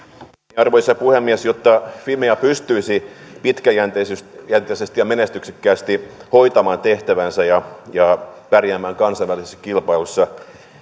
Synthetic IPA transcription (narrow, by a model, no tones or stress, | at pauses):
iɑrʋoisɑpuhemːiesjot̪ːɑfimeɑpyst̪yisipit̪kæjænt̪esyjænt̪ˑesest̪ijɑmenest̪ykse̥kːæːst̪ihojt̪ɑmɑːnt̪eht̪æʋænsæjɑjɑpærjæːmːæːŋkɑnsɑʋælisesːɑ̥kilpɑilusːɑ